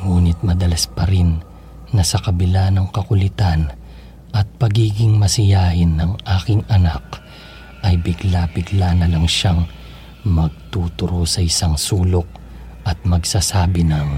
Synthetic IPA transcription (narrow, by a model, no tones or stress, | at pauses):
ŋuːnɪt̪̚mɐd̪ɐlɐspɐɾɪnː | ɐsɐkɐbɪlanɐŋkɐkʊlɪt̪an | ʔɐt̪̚pɐɡiːɡɪŋmɐsɪjaːhɪnːɐŋʔaːkɪŋʔɐnak̚ | ʔɐjbɪɡlabɪɡlanɐlɐŋʃaŋ | mɐɡ̚t̪uːt̪ʊɾosɐʔɪsaŋsuːlok̚ | ʔɐt̪̚mɐɡsasaːbɪnɐŋ